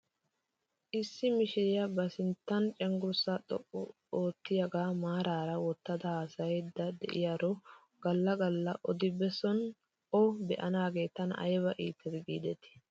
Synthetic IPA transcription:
ʔɪsːɪmɪʃɪjɐbɐsɪnt̪ːɐnt͡ʃʼɛŋɡʊɾsat̪ʼɔ̰ʔɔ | oːt̪ːɪjɐɡaːmaːɾaːɾɐwɔt̪ːɐd̪ɐhaːsɐjɛd̪ːɐd̪ɛ̰ʔɪ̰jaːɾɔ | ɡ̥ɐlːɐɡɐlːɐʔɔd̪ɪbɛsɔn | ɔbɛʔɐnaːɡe̞ːt̪ɐnɐ̰jbɐʔiːt̪ʰːɛt̪ɡiːd̪ɛt̪ɪ̥

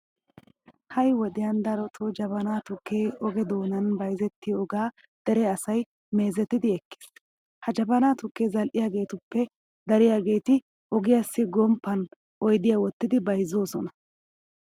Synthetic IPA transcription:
hɐjwɔd̪ɪjɐnd̪ɐɾɔt̪ʰɔd͡ʒɐβɐnaːt̪ʊkːeːɔɡɛd̪oːnɐnbɐjzɛt̪ːɪɔɡaː | d̪̥ɛɾɛɐsɐj | me̞ːzɛt̪ːɪd̪ɪɛkːɪ̥s | hɐd͡ʒɐbɐnaːt̪ʊkːeːzɐlʔɪjaːɡe̞ːt̪ʊpːɛ | d̪ɐɾɪjaːɡe̞ːt̪ɪ | ʔɔɡɪjasːɪɡɔmpːɐn | ʔɔjd̪ɪjaːwɔt̪ːɪd̪ɪbɐjzːoːsɔnɐ

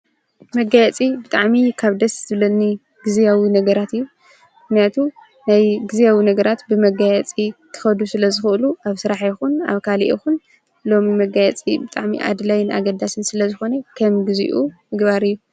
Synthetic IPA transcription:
mɐɡajɛt͡sʼibɨt̪ʼaʕmikʰaβd̪ɐszʰɨβlɐnːi | ɡ̥ɨzijawinɐɡɐɾat̪ɨjːu | mɨxnijat̪ʰu | najɡɨzijawinɐɡɐɾat̪bɨmɐɡajɛt͡sʼikʰɨ̥xɐd̪usɨlɐzɨxɨɨluaβsɨɾaħjɪxuna̰βkʰaliʔixun | lo̞mimɐɡajɛt͡sʼibɨt̪ʼaʕmḭʔa̰d̪lajna̰ɡɐd̪asɨnsɨlɐzɨxo̞nekʰɐmɡɨzḭʔumɨɡbaɾɨjːu

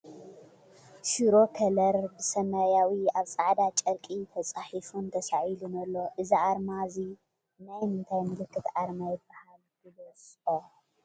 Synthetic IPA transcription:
ʃuɾo̞kʰɐlɐɾbɨsɐmɐjawiaβt͡sʼaʕd̪at͡ʃʼɐɾkʼit̪ʰɐt͡sʼaħifunt̪ʰɐsaʕilunɐlːo̞ʔɨziʕaɾmazi | najmɨnt̪ʰajmɨlɨkːɨt̪ʕaɾmajɪbːahald̪ɨbɐsʼo

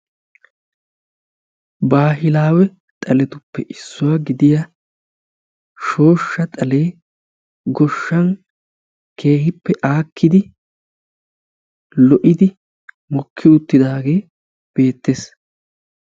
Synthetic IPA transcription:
baːɦɪlaːwɛ | t̪ʼɐlɛt̪ʊpːɛʔɪsːʊwaɡɪd̪ɪjɐ | ʃo̞ːʃːɐt̪ʼɐle̞ː | ɡɔʃːɐn | kʰe̞ːhɪpːɛʔaːkʰːɪd̪ɪ | lɔʔɪd̪ɪ | mɔkʰːɪʊt̪ːɪd̪aːɡe̞ː | b̥e̞ːt̪ːeːs

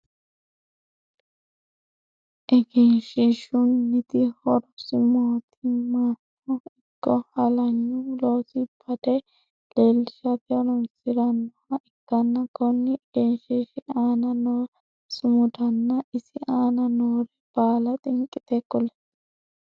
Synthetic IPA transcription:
ʔɛɡɛnʃɪʃʊnːɪt̪ɪhɔɾɔsɪmoːt̪ʰɪmaːtː | ɔɪɡ̥ːɔhɐlɐɲːʊloːsɪb̥ɐd̪ɛ | leːlːɪʃɐt̪ɪɔɾɔnsɪɾɐnː | ɐɪkːɐnːɐɡɔnːɪʔɡɛnʃɛʃɪaːnɐnoː | sɪmʊd̪ɐnːɐʔɪsɪʔaːnɐnoːɾɛb̥aːlɐt̪ʼɪŋkʼːɪt̪ɛkːɔlɛ

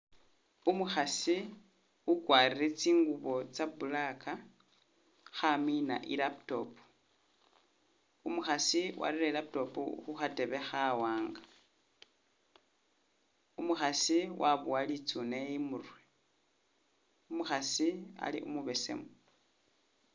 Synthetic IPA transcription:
umuxasi | ukwariɾet͡siːŋɡuβo̞t͡saβulaka | xamina̰ʔilapto̞pu̥ | umuxasiwʔa̰ɾiɾelap̚to̞pṵxuxate̞βe̞xawaːŋɡa | umuxasiwʔaβualit͡sunejimurwe | umuxasia̰lḭʔṵmuβe̞se̞̰mo

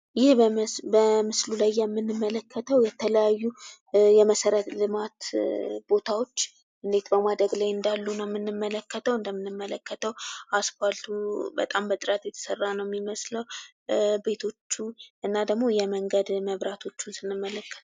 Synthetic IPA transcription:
jɪhbəmɨslulajːɛmːɨnːɨmːələkʰːət̪ʰəwjɛt̪ʰələjajːu | jɛməsəɾət̪lɨmat̪bo̞t̪ʰawo̞t͡ʃː | ʔɨnd̪e̞t̪bəmad̪ɾəɡlajɨnd̪alːunəwmːɨnːɨmːələkːət̪ʰəwɨnd̪əmːɨnːɨmːələkːət̪ʰəwasfalt̪ʰubə̰t̪ʼambət̪ʼɨɾat̪jɛt̪ʰə̥sərːanəwjɛmːiməsləw | be̞t̪ʰo̞t͡ʃːuʔɨnːad̪əɡmo̞jɛməŋɡəd̪məβɾat̪ʰo̞t͡ʃːunsɨnːɨmːələkːə̥t̪

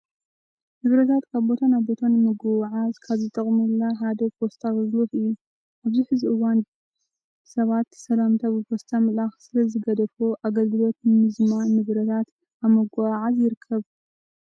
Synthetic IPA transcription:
nɨβɾɐt̪ʰat̪kʰaβbo̞t̪ʰanaβbo̞t̪ʰanmɨɡawʕazkʰaβzɨt̪ʼɐχʼmɨlːaɦad̪ɐpʰost̪ʰaɣɐɡloxɨjːu | ʔaβziħɨziʔɨwand̪ | sɐβat̪sɐlamt̪ʰabɨpʰost̪ʰamɐlaxsɨlɐzɨɡɐd̪ɐfoʔaɡɐlɡɨlo̞t̪nɨmɨzmanːɨβɾɐt̪ʰat̪ | aβmɐɡaʕazjɪɾɨkʰːɐβ

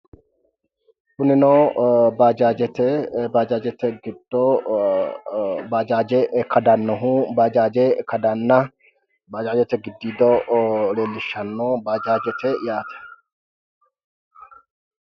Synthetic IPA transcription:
bʊnɪnoːbaːd͡ʒaːd͡ʒɛt̪ɛbaːd͡ʒaːd͡ʒɛt̪ɛɡɪd̪̥ɔ | baːd͡ʒaːd͡ʒɛkɐd̪ɐnːɔɦʊbaːd͡ʒaːd͡ʒɛkɐd̪ɐnːɐ | baːd͡ʒaːd͡ʒɛt̪ɛɡɪd̪ːiːd̪ɔleːlːɪʃːɐnːoːbaːd͡ʒaːd͡ʒɛt̪ɛjaːt̪ɛ̥

